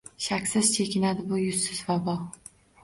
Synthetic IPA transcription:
ʃakʲsɪz̥t͡ʃʰe̞kʲʰɪnad̪ɪbʊjʊsːɪzvabɒ

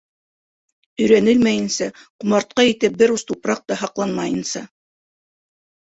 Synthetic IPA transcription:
ɵ̆jɾænɘlmæjɘ̆nsæqumɑɾt̪̚qɑit̪ɘp̚bɘɾust̪upɾɑq̚t̪ɑɦɑqlˠɑnmɑjɤ̆nsɑ

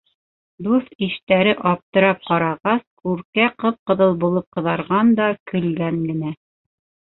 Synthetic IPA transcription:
d̪uθiʃt̪æɾɘʔɑp̚t̪ɤ̆ɾɑp̚qɑɾɑʁɑskʉɾkæqɤp̚qɤ̆ðɤlˠbulˠɤp̚qɤ̆ðɑɾʁɑnd̪ɑkɵ̆lɡæŋɡɘ̆næ

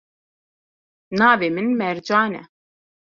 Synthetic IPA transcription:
nɑːveːmɨnmɛɾd͡ʒaːnɛ̰

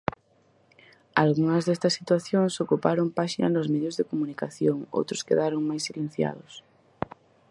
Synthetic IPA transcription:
alɣuŋɐzðest̪ɐsːit̪waθjoŋsokupaɾoŋpaʃinɐ̰nozmeðjozðekomunikaθjoŋo̰wt̪ɾʊskeðaɾoŋmajsːilen̟θja̰ð̞ʊs

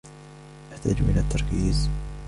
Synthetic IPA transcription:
ʔaħt̪a̰ːd͡ʒʔɪlat̪ʰːɑɾˤkiːz

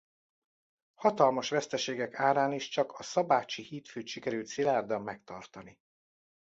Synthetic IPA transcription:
hɒt̪ɒlmɒʃʋɛst̪ɛʃeːɡɛkaːɾaːniʃt͡ʃɒkɒsɒbaːt͡ʃihiːt̪føːt̪ʃikɛɾylt̪silaːrd̪ɒmːɛkt̪ɒ̰rt̪ɒni

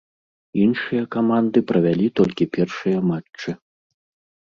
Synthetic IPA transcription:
inʂɨjɐkamand̪ɨpɾɐvʲalʲit̪ɔlʲkʲipʲɛrʂɨjɐmat͡ʂːɨ

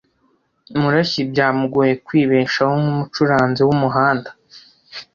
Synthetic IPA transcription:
muɾaçibɟaːmuɡujekwiːβeːʃahomumut͡ʃuɾaːnzewumuɦaːndḁ

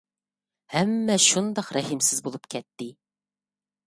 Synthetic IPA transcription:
hɛmːɛʃund̪ɑqɾɛhimsɪzbolˠupkʲʰɛt̪ːɪ

